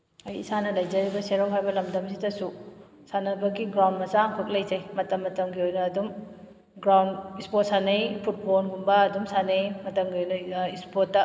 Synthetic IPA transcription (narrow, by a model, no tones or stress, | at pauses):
ɐjḭsanɐlɐjd͡ʒɐɾibɐseɾawɦajbɐlɐmdɐmsidɐsu | sanɐbɐɡiɡɾawndmɐzaŋkʰɯk̚lɐjzejmɐtɐmːɐtɐmɡiojnɐːdum | ɡɾawndispot̚sanɐjpʰut̚pʰonɡumbɐːdumsanejmɐtɐmɡiojnɐispotːɐ